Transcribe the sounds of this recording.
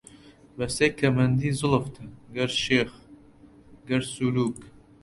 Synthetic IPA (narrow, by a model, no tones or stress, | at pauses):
bɐsekʰɐmɐnd̪iːzʊlft̪ʰəɡɐɾʃex | ɡɐɾsuluːk